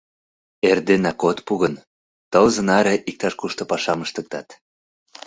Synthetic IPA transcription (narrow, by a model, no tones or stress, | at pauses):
erd̪enɑkot̪puɣən | t̪əlzə̆nɑɾeʔik̚t̪ɑʃkuʃt̪ŏpɑʃɑməʃt̪ə̆k̚t̪ɑt̪